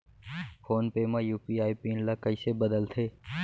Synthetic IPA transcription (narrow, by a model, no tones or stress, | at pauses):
fʰoːnpeːmãːjuːpiːaːiːpiːnlaːkəiːseːbəd̪əlt̪ʰeː